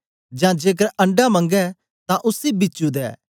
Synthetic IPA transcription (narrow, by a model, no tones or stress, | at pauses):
d͡ʒãːd͡ʒeːk̬əɾɐ̃ɳɖamɐ̃ŋɡɛ̃ | t̪ãʔʊsibɪt͡ʃud̪ɛ̰ː